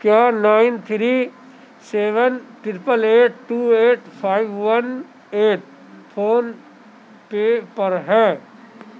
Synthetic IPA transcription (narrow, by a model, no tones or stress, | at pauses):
kjaːnaːɪnt̪ʰɾiː | seːʋənʈɾɾɪpəleːʈʈːuːeːʈpʰaːɪʋʋɐn | eːʈ̚ | pʰoːn | pepɐɾɦɛ̃ː